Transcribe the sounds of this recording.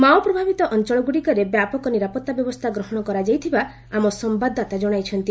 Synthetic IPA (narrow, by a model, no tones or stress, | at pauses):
mawpɾɔbʱabit̪ɔʔɔnt͡ʃɔɭɔɡuɽikɔɾebjapɔkɔniɾapɔt̪ːabjɔbɔst̪ʰaɡɾɔɦɔɽ̃ɔkɔɾad͡ʒajt̪ʰiba | amɔsɔmbad̪ʱat̪ad͡ʒɔɽ̃ajt͡ʃʰɔnt̪i